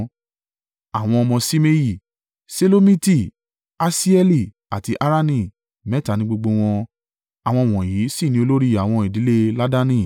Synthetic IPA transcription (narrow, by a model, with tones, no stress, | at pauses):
a˨w̃ɔ̃˧ɔ˧mɔ̃˧si˦me˦ji˦˨ | se˦lo˦mĩ˦ti˦˨ | a˦si˦ɛ˦li˦˨ | a̰˨ti˧ʔa˦ɾa˦nĩ˦˨ | mɛ˦ta˨˧nĩ˧˦ɡ͡bo˧ɡ͡bo˧w̃ɔ̃˧ | a˨w̃ɔ̃˧˨w̃ɔ̃˨ji˨˦si˦˨nĩ˧˦o˧lo˦ɾi˦a˨w̃ɔ̃˧i˨di˨˦le˦la˦da˦nĩ˦˨